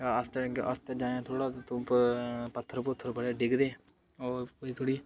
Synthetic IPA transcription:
kaːəst̪eɡʔə̰st̪eːd͡ʒaːãːt̪ʰoːɽaːt̪ũːppət̪ʰːəɾpʊt̪ʰːəɾbəɽeːɖɪɡd̪eː | oːkoːiːt̪ʰoːɽiː

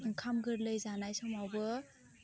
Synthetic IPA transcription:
ɯŋkʰamɡɯɾlɯjzanajsɔmawbɯ

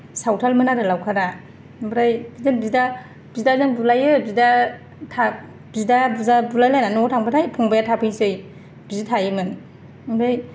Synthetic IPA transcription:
sawtʰalmɯnaɾɯlawkʰaɾa | bɾajbidanbida | b̥idazɯŋbulajɯbida | tʰa | bidabuzabulajlajnanɔtʰaŋbatʰajpʰɔŋbajatʰapʰɯŋsɯj | b̥izitʰajɯmɯn | bɾaj

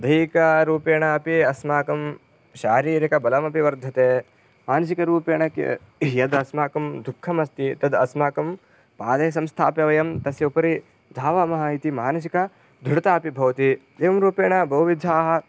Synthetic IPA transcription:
d̪ʱɐjkɐɾuːpeːɳɐɐpiɐsmaːkɐm | ʃaːɾiːɾikɐbɐlɐmɐpiʋɐɾd̪ʱɐt̪eː | maːnɐs̬ikɐɾuːpeːɳɐk | jɐd̪ɐsmaːkɐmd̪ʱukʰːɐmɐst̪it̪ɐd̪ɐsmaːkɐm | paːd̪ɐːɐs̬ɐmst̪ʰaːpjɐʋɐjɐmt̪ɐsjɐupɐɾi | d̪ʱaːʋɐmɐɦɐit̪imaːnɐs̬ikɐ | d̪ʱuɽɐt̪aːpibʱɐʋt̪id̪eːʋɐmɾuːpeːɳɐbɐɦuʋid̪ʱaːɦɐ̆

